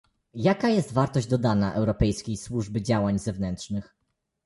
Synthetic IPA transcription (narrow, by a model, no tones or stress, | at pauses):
jakajɛst̪vaɾt̪ɔʑd͡ʑd̪ɔd̪anaʔɛwɾɔpɛjskʲejswuʐbɘd͡ʑawaɲzɛvnɛnt̪ʂnɘx